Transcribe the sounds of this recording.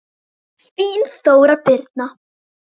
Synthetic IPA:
sviːnθoːwɾapɪɾt̪̚na

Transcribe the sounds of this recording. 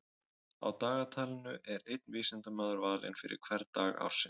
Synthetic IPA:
a̰wt̪aːɣat̪ʰaːlɪnʏʔɛɾejt̪̚nviːsɛnt̪amœːðʏɾvaːlɪ̰nfɪɾɪ̰ɾ̥kʰv̥ɛɾt̪aːɣa̰wɾ̥sɪn

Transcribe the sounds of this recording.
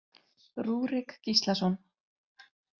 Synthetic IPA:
ruːɾɪkːist̪lasɔn

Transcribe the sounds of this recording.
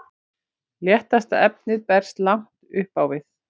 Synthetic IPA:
ljɛht̪ast̪aɛp̚nɪðpɛɾ̥st̪laŋ̥t̪ʏhpawvɪθ

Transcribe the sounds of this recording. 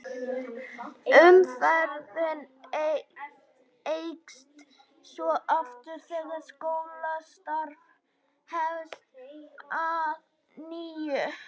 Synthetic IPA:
ʏmfɛɾðɪne | ejkst̪ | svɔʔaft̪ʏɾ̥θɛɣaskowlast̪aɾv | hɛvsað | niːjʏ

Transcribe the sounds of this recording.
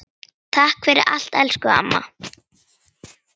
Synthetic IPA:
t̪ʰahkʰfɪɾɪ̰ɾʔa̰l̥t̪ɛlskʏa̰mːa̰

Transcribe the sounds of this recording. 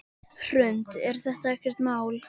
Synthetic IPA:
r̥ʏnt̪ɛɾ̥θɛht̪aɛhkvɛr̥t̪maːwl

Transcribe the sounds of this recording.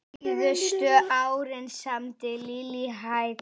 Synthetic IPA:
ðʏst̪ʏawɾɪnsamt̪ɪliːliɦaj

